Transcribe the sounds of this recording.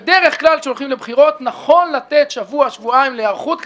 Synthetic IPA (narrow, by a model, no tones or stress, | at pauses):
d̪eʁe̞χklalʃeolχimle̞bχiʁo̞t̪naχo̞nlat̪et̪ʃavuaʃvuaimleaʁχut̪